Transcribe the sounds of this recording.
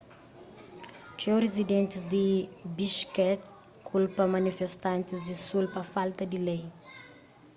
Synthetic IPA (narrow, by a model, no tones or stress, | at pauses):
t͡ʃɛrezid̪ẽnt̪izd̪ibiʃkɛt | kulpɐmɐnifest̪ãnt̪izd̪isulpɐfalt̪ɐd̪ilej